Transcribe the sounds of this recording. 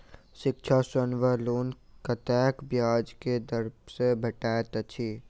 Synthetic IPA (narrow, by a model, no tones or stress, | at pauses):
ʃɪkt͡ʃʰasənʋəloːn | kɐt̪ɛːkʰbjaːd͡ʒked̪ɐɾbsebʱɐʈaːət̪ət͡ʃʰiː